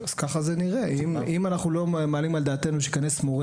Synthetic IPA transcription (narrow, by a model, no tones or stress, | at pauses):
az̥kaχaze̞niʁeimimanaχnulo̞malimald̪aːt̪e̞nuʃikane̞smoʁe